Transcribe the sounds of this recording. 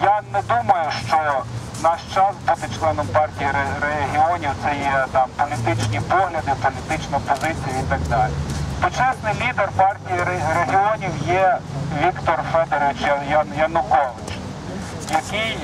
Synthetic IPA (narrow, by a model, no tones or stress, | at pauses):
janɛd̪umɐjʊʃt͡ʃɔ | nɑʃt͡ʃɑsbut̪ɪt͡ʃlˠɛnɔmpɑrtʲijiɾeɦʲiɔnʲiwt̪sɛjɛt̪ɑmpɔlʲit̪ɪt͡ʃnʲipɔɦlʲɐd̪ɪpɔlʲit̪ɪt͡ʃnɐpɔzɪt͡sʲijɐit̪ɑɡd̪ɑlʲḭt̪ʊt͡ʃɛsnɪjlʲid̪erpɑrtʲijiɾreɦʲiɔnʲiwjɛʋʲikt̪ɔrfɛd̪eɾʋɪt͡ʃjjɐjɐnʊkɔʋɪt͡ʃ | jɐkɪj